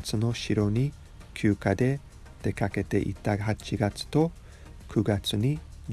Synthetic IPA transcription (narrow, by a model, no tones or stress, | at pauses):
t͡sɨno̞ɕiɾo̞ɲ̟i | kʲʰjɨːkad̪e̞ | d̪̥e̞kake̞t̪e̞̰ʔḭt̪aɦat͡ɕiɡat͡sɨ̥t̪o̞ | kʰɯ̟ɡat͡sɨɲ̟i